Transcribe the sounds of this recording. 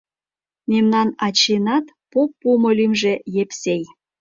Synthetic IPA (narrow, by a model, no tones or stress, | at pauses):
memnɑnɑt͡ɕenɑt̪ | popːumolʲymʒejepsej